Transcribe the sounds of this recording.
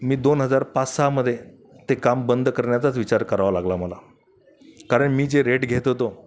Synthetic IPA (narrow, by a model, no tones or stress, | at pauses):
miːd̪onɦəd͡zaɾpat͡ssaməd̪ʱːje | t̪ekambənd̪kəɾɳjat͡sat͡sʋit͡ɕaɾkəɾaʋalaɡlaməla | kaɾəɳmiːd͡zeɾeʈɡʱet̪ɦot̪o